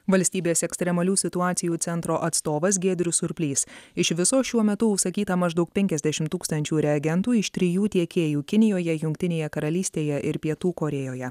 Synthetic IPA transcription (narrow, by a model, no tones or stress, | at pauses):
ʋɐlʲsʲt̪ʲiːbʲeːsɛksʲt̪ʲɾʲɛmɐlʲuːsʲɪt̪ʊɑːt̪sʲɪjuːt̪sʲɛnt̪ɾoːʔɐt̪st̪oːʋɐs̬ɡʲeːd̪ʲɾʲʊsʊɾʲpʲlʲiːsɪʃʋʲɪsoːʃʲuɔmʲɛt̪ʊʊʃsɐkʲiːt̪ɐmɐʒd̪ɒʊk̚pʲɛŋʲkʲɛzʲd̪ʲæʃʲɪmt̪ːuːkst̪ɐnʲt͡ʃʲuːɾʲɛɐɡʲɛnt̪uːɪʃt̪ʲɾʲɪjuːt̪ʲiɛkʲeːjuːkʲɪnʲɪjoːjɛjʊŋʲk̚ʲt̪ʲɪnʲeːjɛkɐɾɐlʲiːsʲt̪ʲeːjɛʔɪɾpʲiɛt̪uːkoɾʲɛjoːjɛ